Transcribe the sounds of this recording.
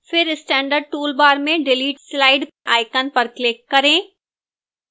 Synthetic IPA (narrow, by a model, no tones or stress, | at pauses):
fɪɾɪsʈɛ̃ːɳɖəɾɖ̚ʈuːlbaːɾmẽɖeliːʈslaːɪɖ | ʔaːɪkənpɐɾklɪkːɐɾẽː